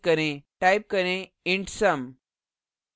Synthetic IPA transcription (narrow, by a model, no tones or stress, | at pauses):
kəɾẽʈajp̚kəɾẽ | iɳʈsəm